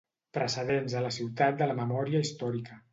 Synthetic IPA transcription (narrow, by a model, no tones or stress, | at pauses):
pɾəsəðenzðələsiwt̪at̪̚d̪ələməmɔɾiəist̪ɔɾikə